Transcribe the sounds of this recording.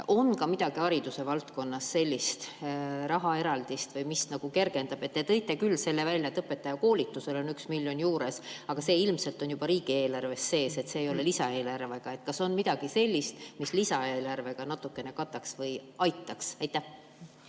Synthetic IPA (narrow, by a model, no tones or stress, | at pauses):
ʔo̞nkɑmid̪̥ɑɡ̥iɑɾid̪̥use̞vɑlt̪ko̞nːɑsːe̞lʲːist̪ɾɑɦɑe̞ɾɑld̪̥ist̪vɤjmisnɑɡ̥uke̞rɡ̥e̞nd̪̥ɑb̥et̪ːet̪ɤ̞jt̪ːˑe̞kylːse̞lːe̞vælʲjɑt̪ɤpːe̞t̪ːˑɑjɑko̞ːlit̪ːˑuse̞lo̞nyksmilʲjo̞njuːɾe̞sɑɡ̥ɑse̞ːilmse̞lt̪ˑo̞njub̥ɑɾiːɡ̥ie̞ːlɑrve̞sːe̞ːse̞t̪se̞ːjo̞le̞lisɑe̞ːlɑrveɡ̥ɑe̞t̪̚kɑso̞nmid̪̥ɑɡ̥ise̞lʲːist̪mislisɑe̞ːlɑrve̞ɡ̥ɑnɑt̪ːˑukːˑe̞ne̞kɑt̪ːˑɑksvɤjɑjt̪ːˑɑksɑjt̪ːˑæh